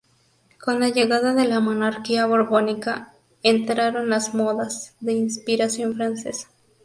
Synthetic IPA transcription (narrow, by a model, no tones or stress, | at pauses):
ko̞nlaʝe̞ɣaðaðe̞lamo̞naɾkiaβo̞ɾβo̞nika | ent̪ɾaɾo̞nlazmo̞ðazðe̞inspiɾasjo̞nfɾanse̞sḁ